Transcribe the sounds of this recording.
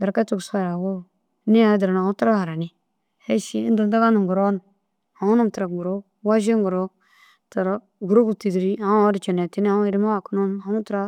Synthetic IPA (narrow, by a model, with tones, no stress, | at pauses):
da˨ɾka˦tu˦ɡsa˦˨ɾa˨wo˦˨˦ | ni˦a˨˦di˨ɾa˨n˨a˨mu˦ta˦ɾa˦ha˨ɾa˨ni˨ | he˦ʃi˦du˨da˦ɡa˦nu˨ɡu˨ɾo˦n˨ | ha˨ŋu˦nu˦mta˨ɾa˨ɡu˨ɾo˦ | wa˦ʒi˦ŋɡu˨ɾo˦ | ta˨ɾa˦ | ɡu˨ɾo˦ku˦˨ti˨dɾi˦a˨˦a˦ɾi˨t͡ʃa˨ne˨ti˦n˦a˦i˨ɾi˦ma˦wa˨ku˦nu˦ma˨mu˦tɾa˦